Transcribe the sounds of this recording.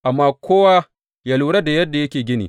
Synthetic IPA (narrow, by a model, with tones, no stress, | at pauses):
ʔa˨mːaː˦kʷʰoː˦waː˦ | jaː˦luː˨ɽɐ˦da˨jɐ˦dːa˨jɐ˦kʲeː˨ɡʲɪ˦nḭ˨